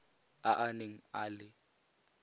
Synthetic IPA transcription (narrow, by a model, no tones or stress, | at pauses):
aʔaneŋ̩aːlɪ